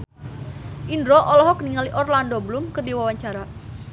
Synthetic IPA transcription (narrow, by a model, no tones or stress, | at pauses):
ʔindɾɔʔɔlɔɦɔkəniŋaliʔɔrlandɔblumkərdiwawaɲt͡ʃaɾa